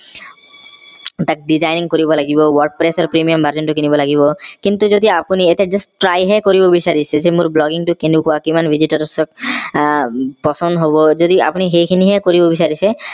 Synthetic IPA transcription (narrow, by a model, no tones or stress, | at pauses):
t̪ak̚ɖizajniŋkoɾibɔlaɡibɔwɔɾɖ̚pɾesaɾpɾimiambʱaɾd͡ʑenʈukinibolaɡiβɔkint̪ud͡ʒod̪iapunieted͡ʒasʈɾajɦɛkoɾibobisaɾisezemuɾblɔɡiŋʈukenikoakimanbʱid͡ʑiʈɔɾsɔk̚ | pɔsɔnd̪ɦɔbɔd͡ʒod̪ia̰puniɦejkʰiniɦɛkoɾibobisaɾise